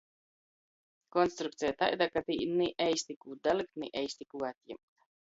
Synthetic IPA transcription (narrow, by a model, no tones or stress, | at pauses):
kɔnst̪ɾukt̪sijat̪a̰jd̪akat̪ḭːniʔɛjsʲt̪ikuːd̪alik̚t̪nḭʔɛjsʲt̪ikuːat̪jɛ̰mkt̪